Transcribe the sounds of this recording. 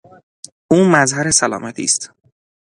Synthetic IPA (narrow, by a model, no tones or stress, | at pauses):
ʔuːmæzɦæɾe̞sælɒ̰ːmæt̪ʰḭːst̪